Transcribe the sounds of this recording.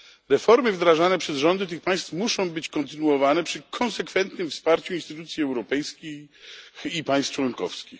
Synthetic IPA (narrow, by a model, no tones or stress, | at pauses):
ɾɛfɔɾmɘvd̪ɾaʐanɛpʂɛzʐɔnd̪ɘt̪̬ɘxpaj̃st̪fmuʂɔ̃w̃bɘt͡ɕkɔnt̪ɘnuɔvanɛpʂɘkʰɔnsɛkfɛnt̪nɘmfspaɾt͡ɕuinst̪ɘt̪ut̪sʲjiɛwɾɔpɛjskʲixxipaj̃st̪ft͡ʂwɔnkɔ̰fskʲix